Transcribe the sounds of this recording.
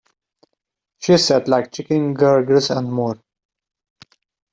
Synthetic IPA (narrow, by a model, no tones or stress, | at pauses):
ʃisɛʈlaɪk̚t͡ʃɪkɪ̃ŋɡəɾɡɾɪsæ̃ɳɖmoːɾ